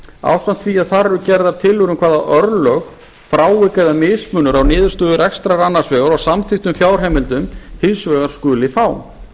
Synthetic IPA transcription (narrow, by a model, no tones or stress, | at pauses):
a̰ːwsan̥t̪ʰfviːaðθaɾɛɾʏcɛɾðaɾ̥t̪ʰɪlʏɾʏmkʰv̥aːðaʔœɾlœx | fɾaːwɪkaðamɪðspmʏnʏɾawnɪːðʏɾ̥st̪œːðʏɾɛkst̪ɾaɾanːḁsvɛːɣaɾasamθɪxt̪ʏmfjaːwr̥hɛːmɪlt̪ʏmhɪlsvɛːɣaɾ̥skʏːlɪfaːwm